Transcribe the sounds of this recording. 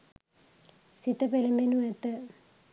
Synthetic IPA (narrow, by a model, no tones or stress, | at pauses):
sit̪ɐpelimbenuɛt̪ːə